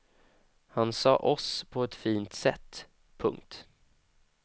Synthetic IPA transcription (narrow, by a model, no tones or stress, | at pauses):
hansɑ̰ːʔɔspʰɔɛt̪fiːnt̪sɛt̪ː | pʰɵ̰ŋkt̪